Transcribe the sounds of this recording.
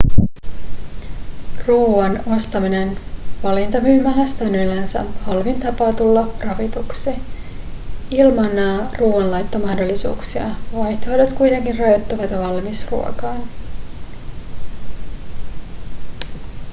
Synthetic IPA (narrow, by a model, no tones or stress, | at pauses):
ruːɑno̞st̪ɑmine̞nʋɑlint̪ɑmyːmɑlæst̪ɑnylːænsæ̰hɑlʋint̪ɑpɑːt̪ulːɑrɑʋit̪uksi | ilmɑnːɑːruːwɑnlɑjt̪ːo̞mɑhdo̞lːisṵːksiɑ̰ʋɑjçt̪oojdet̪kujt̪e̞ŋkinrɑjo̞t̪ːuʋɑt̪ʋɑlmisrṵokɑːn